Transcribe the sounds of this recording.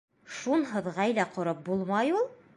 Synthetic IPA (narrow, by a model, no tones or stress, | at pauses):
ʃunɦɤ̆ðʁɑjlæqŏɾɤp̚bulˠmɑjulˠ